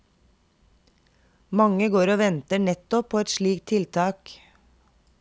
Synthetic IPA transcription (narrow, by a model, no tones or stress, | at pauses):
mɑŋəɡoːɾoːʋɛnt̪əɳɛt̪ɔpʰoːɛt̪ʃɭiːkt̪ʰɪlt̪ʰɑːk